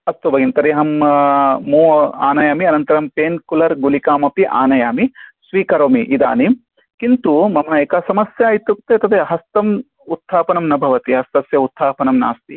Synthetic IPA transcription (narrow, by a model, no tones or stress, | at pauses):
ɐst̪ubɐɡint̪ɐɾiɦɐmː | uːaːnɐjaːmiɐnɐnt̪ɐɾɐmpeːnkulɐɾɡulikaːmɐpiʔa̰ːnɐjaːmisʋiːkɐɾoːmiʔid̪a̰ːnim | kint̪umɐmɐnɐeːkaːsɐmɐsjaːit̪uk̚t̪eːɐt̪ɐd̪eːɦɐst̪ɐm | ut̪ʰːaːpɐnɐmnɐbʱɐʋɐt̪iɦɐst̪ɐsjɐut̪ʰːaːpɐnɐmna̰ːst̪i